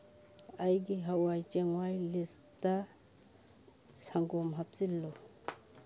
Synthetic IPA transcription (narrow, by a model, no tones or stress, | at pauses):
ajɡiɦawajt͡ʃɛŋwajlista | saŋɡɔmɦap̚t͡silːɔ